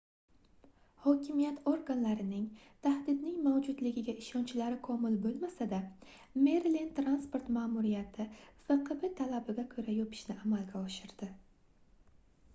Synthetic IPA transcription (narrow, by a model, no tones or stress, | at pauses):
hɒkʲʰɪmijat̪ʰoɾɡanlaɾɪnɪŋ | t̪ʰahd̪ɪd̪nɪŋmawd͡ʒʊd̪lɪɡʲɪɡʲaɪʃɒnt͡ʃʰɪlaɾɪkʰɒmɪlbolˠmasad̪a | meɾlint̪ɾanspo̞ɾt̪maːmuɾijat̪ʰɪfɨqɨbɪt̪ʰalabɪɡʲakʲʰɵɾajɒpʰɪ̥ʃnɪamalɡʲaɒʃɪɾd̪̥ɪ